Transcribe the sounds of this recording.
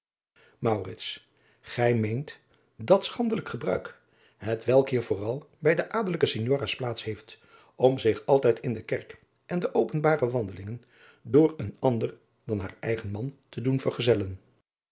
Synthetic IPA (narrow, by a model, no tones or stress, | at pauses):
mɑwrɪts | χɛjmejnt | dɑtsχɑndələkχəbrœ̰ɥk | ɦətʋɛlˠkɦiːɹvʊːrɑlˠbɛjdəʔaːdələkəsɪɲjoːraːsplaːtsɦejft | ɔmzɪχɑlˠtɛjtɪndəkɛɹk | ʔɛndəʔowpənbaːrəʋɑndəlɪŋən | dʊːɹənɑndəɹ | dɑnɦaːɹɛjχənmɑntədunvəɹχəzɛlən